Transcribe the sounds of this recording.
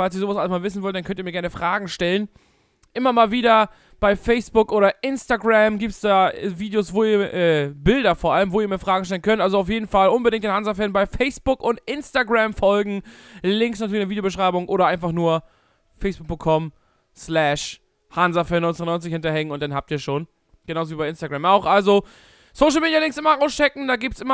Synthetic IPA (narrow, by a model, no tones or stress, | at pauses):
falsiɐzoːvasʔaləsmaːlvɪs̬n̩vɔltd̥ankœntiːmiːɐɡɛɐnəfʁ̥aːɡŋ̩ʃtɛlən | ʔɪmɐmaːlviːdɐ | b̥aɪfɛɪsb̥ʊkʔoːɾɐʔɪnstaɡʁamɡiːp̚tsd̥aːviːdejosv̥oːiːɐʔɛːbɪldɐfoːɐʔaləmvoːiɐmiːɐfʁ̥aːɡŋ̩ʃtɛlənkʰœntʔalzoaʊfjeːdn̩falʔʊnbədɪŋktd̥ɪnhanzafɛlnbaɪfɛɪsb̥ʊkʔʊntʔɪnstaɡʁamfɔlɡŋ̩lɪŋksnatyːɐlɪçnəvidjobəʃʁ̥aɪbʊŋʔoːɾɐʔaɪnfaχnuːɐ | fɛɪsb̥ʊk̚pʊŋtkʰːɔm | slɛʃ | hanzafɛnɔɪnt͡snɔɪnt͡s̬ɪçhɪntɐhɛŋənʊntd̥anhaːp̚tiːɐʃoːn | ɡ̥ənaʊzoviːbaɪɪnstaɡʁamaʊxʔalzo | soʊʃ̬l̩miːdjalɪŋsʔɪmɐʁaʊsʃɛkŋ̩daːɡiːp̚tsʔɪmɐ